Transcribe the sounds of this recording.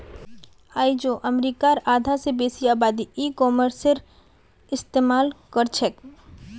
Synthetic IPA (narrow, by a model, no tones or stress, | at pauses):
aːid͡ʒoːʔɐmɾiːkaɾaːd̪ʱasebeːsiaːbaːd̪iiːkɔːməɾseɾ | ɪst̪eːmaːlkəɾt͡ʃʰɛk